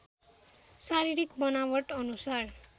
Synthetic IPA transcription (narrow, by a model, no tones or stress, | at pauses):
saɾiɾikbʌnawʌʈʌnusar